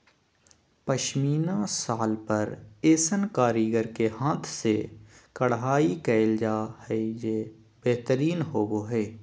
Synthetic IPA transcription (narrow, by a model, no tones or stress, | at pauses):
pəʃmiːnãsaːlpəɾeːsənkaːɾiːɡəɾkeɦãːt̪ʰsekəɽɦaːikɛːld͡ʒaːhɛjeː | b̥eɦt̪əɾiːnɦoːɡoɦɛː